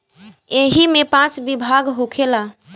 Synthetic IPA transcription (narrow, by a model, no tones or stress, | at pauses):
eɦimepãt͡ʃbibʱaɡɦokʰela